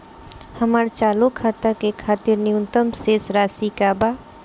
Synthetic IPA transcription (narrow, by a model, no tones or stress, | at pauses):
həmaɾt͡ʃaːlokʰaːt̪akekʰaːt̪ɪɾniʊnt̪əmseːsɾaːsikaba